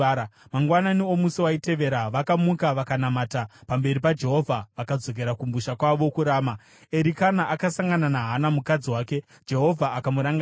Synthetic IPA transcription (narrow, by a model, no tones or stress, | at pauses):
amaŋɡwananiomusiwaite̞ʋe̞ɾaʋakamukaʋakanamaːtapambe̞ɾipad͡ʒe̞ɦo̞vʱaʋakad͡zo̞k̬e̞ɾakumbuʃakwaʋo̞kuɾaːma | e̞ɾikanaʔakasaŋɡananaɦanamukad͡ziwaːke̞ | d͡ʒe̞ɦo̞vʱaːkamuɾaŋɡ